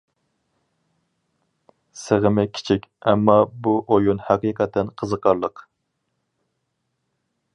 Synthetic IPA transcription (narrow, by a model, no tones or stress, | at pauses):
seʁəmɪkʲʰi̥t͡ʃʰikʲɛmːɑbuʔojunhæqiqʰɛt̪ʰːɛnqʰəzəqʰɑɾlˠəq